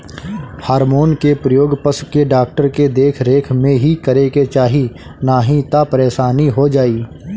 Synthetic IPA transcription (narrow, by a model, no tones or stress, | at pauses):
haːɾmoːnkepɾəjoːɡpəskeɖaːk̚ʈəɾked̪eːkʰɾeːkʰmẽɦikəɾeket͡ʃaːɦi | naːɦĩt̪apəɾeːʃaːniɦod͡ʒaːiː